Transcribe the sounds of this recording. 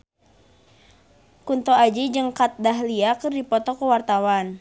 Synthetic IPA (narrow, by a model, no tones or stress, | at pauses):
kunt̪ɔad͡ʒid͡ʒɨŋkat̪̚daɦliakɨrdipɔt̪ɔkəwart̪awan